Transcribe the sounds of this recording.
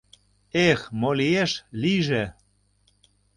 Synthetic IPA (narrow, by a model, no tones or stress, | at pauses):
exmolieʃliʒe